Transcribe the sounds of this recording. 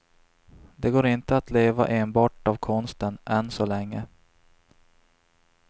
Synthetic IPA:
d̪ɛɡoːɾɪnt̪əat̪leːva̰ʔeːnbɑːʈavkʰɔnst̪ənʔɛnsɔlɛŋːə

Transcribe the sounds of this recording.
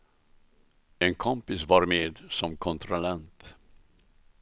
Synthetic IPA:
ɛnkʰɔmpɪsvɑɾmeːd̪sɔmkʰɔnt̪ʰɾɔlɛnt̪

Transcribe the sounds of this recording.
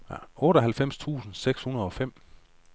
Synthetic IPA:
ʔɔ̽ːɾɒɦælfem̰st͡sʰṵːsn̩seɡ̥shunəɐð̞̩ˠɒ̽fem̰

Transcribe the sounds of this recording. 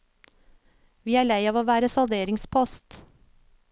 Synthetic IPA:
ʋiːæːɭæɪɑːʋoːʋæːɾəsɑld̪eːɾɪŋspʰɔst̪

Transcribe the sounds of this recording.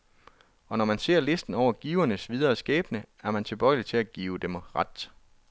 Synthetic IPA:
ɒ̽nɒmænse̝̰ɐ̰le̝sd̥n̩ɒʊ̰ɐɡ̥iːʊɐnəsʋið̞ˠɐːsɡ̥ɛ̰ːb̥nə | æɐmænt͡sʰe̝b̥ɒɪlit͡sʰe̝læɡ̥iːʊd̥emʁɑd̥

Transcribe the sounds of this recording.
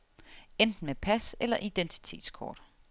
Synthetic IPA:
end̥n̩mepʰæselɐʔid̥ent͡sʰi̥t͡sʰe̝̰ːd̥skʰɒ̰ːd̥

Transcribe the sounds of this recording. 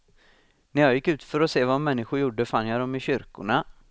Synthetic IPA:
næɾjajɪkːʉ̟ːt̪fœɾɔseːvamɛnːɪɧʊɾjuɖːəfanːjad̪ɔmɪɕʏɾkʊ̰ɳa

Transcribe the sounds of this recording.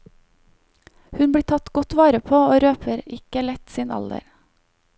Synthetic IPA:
hʉnbɽiːt̪ʰɑt̪ɡɔt̪ʋɑːɾəpʰoːoːɾøːpʰəɾɪkəlɛt̪siːnɑ̰ld̪ə̰ɾ

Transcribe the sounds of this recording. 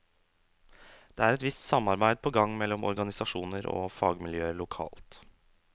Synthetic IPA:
d̪̥eːæːɾɛt̪ʋɪst̪sɑmɑɾbæɪd̪̚pʰoːɡɑŋːmɛlːɔmɔ̰ɾɡɑnɪsɑʂuːnəɾo̰ːfɑːɡmɪljøːəlʊkʰɑ̰ːlt̪

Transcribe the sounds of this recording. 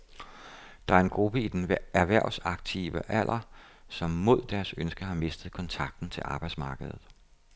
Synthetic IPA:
d̥ɑ̈æɐe̝nɡ̥ʁub̥əid̥enʋæɐʋæɐ̰sɑ̈ɡ̥̚t͡sʰḭʋəʔæl̰ʔɐ | sɒ̽mːo̝ð̞̰ˠd̥æɐsønsɡ̥ɐɦɑ̈me̝sd̥ð̞̩ˠkʰɒ̽nt͡sʰɑ̈ɡ̥̚d̥n̩t͡sʰe̝lʔɑ̈ːb̥ɑ̈ɪd̥smɑ̈ːɡ̥əðˠð̩ˠ

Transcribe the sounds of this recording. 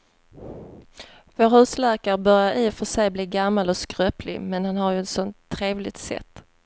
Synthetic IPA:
voːɾʉslæːkaɾəbœɾjaɾʔifœʂɛjbliːɡamːalɔskɾœːplɪ̰mɛnhanhaɾjɵɛt̪sɔnt̪ʰːɾeːvlɪt̪sɛ̰t̪ː

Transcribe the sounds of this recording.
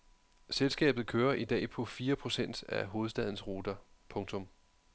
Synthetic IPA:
selsɡ̥ɛ̰ːb̥ð̩ˠkʰøːɐʔid̥ɛ̰ːpʰɒ̽fiːɐpʰʁo̝sen̰d̥æɦo̝ːð̞̩ˠsd̥ɛð̞ˠn̩sʁo̝ːd̥ɐ | pʰɔ̽ŋt͡sʰɔ̽m

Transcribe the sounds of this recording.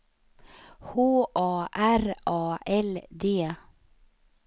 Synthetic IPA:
hoːʔɑːʔæɾʔɑːʔɛld̪eː

